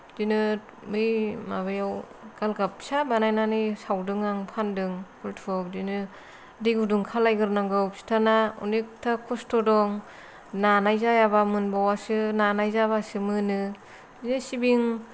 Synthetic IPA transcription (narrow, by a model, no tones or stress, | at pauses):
d̥inɯ | mɯjmaβajaw | ɡ̥alɡap̚sabanajnanɯjsawdɯŋaŋpʰandɯŋkʰɯltʰɔk̚dinɯ | diɡuduŋkʰalajɡɯɾnaŋɡɯpsi̥tʰanaṵniktʰakʰɔstʰɔdɔŋ | nanajzajabamɯnbawasɯnanajzabasɯmɯnɯ | inɯsibiŋ